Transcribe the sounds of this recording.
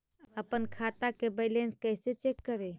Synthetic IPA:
əpənkʰat̪akebəɪlẽnskəɪset͡ʃekːəɾe

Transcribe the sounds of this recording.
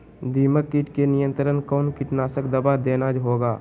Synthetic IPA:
d̪iːməkːiʈkenɪjə̃nt̪əɾənkɔːnkɪʈnaːsəkd̪əbad̪eːnad͡ʒɦoːɡaː

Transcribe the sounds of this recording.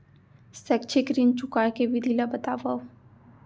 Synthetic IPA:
sɛkt͡ʃʰekɾint͡ʃukaːkeʋid̪ʱilabɐt̪aːʋa

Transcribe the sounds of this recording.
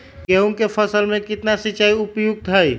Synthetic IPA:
ɡeuŋkepʰəsəlmẽkɪt̪nasit͡ʃaiupjuɡ̚t̪ɦəj

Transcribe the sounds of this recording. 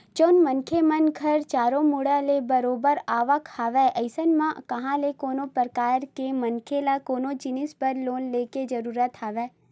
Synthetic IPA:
t͡ʃoːnmənkʰemənɡʰʱɐɾt͡ʃaːɾõmʊɽalebɐɾoːbəɾaːʋəkhaːʋɛʔɐɪsənmãkɐɦãlekoːnopəɾkaːɾkemɐnkʰelakoːnod͡ʒɪnɪspəɾloːnleːked͡ʒɐɾuːɾət̪ɦaːʋɛː

